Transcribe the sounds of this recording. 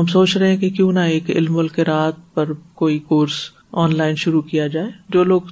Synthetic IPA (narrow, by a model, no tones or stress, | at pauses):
ɦɐmsoːt͡ʃɾɛɦɛ̃kekjũːnaeːkɪ̰lmʊlkeɾaːt̪̚ʰpɐɾkoːikoːɾs | ɔːnlaːɪnʃʊɾukijad͡ʒaːeːd͡ʒoːloːɡ